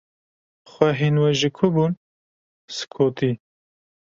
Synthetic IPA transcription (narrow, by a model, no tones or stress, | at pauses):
xʷɛɦinwɛʒɪkʰʊbun | sɨ̥kʰoːt̪i